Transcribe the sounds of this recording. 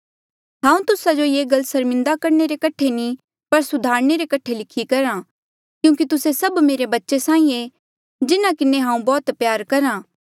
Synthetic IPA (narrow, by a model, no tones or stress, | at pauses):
ɦãːũt̪ʊsad͡ʒojeːɡɐlsɐɾmɪ̃nd̪akɐɾneɾekɐʈʰeni | pɐɾsʊd̪ʱaːɾneɾekɐʈʰelɪkʰikɐɾã | kjũːk̬it̪ʊsesɐbmeːɾebɐtːʃesãːĩe | d͡ʒɪnakɪnːeɦãːũbɔːt̪pjaːɾkɐɾãː